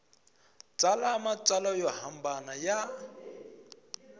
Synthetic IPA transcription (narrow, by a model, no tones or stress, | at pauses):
t͡sʼalaːmat͡sʼalɔjɔhambanaja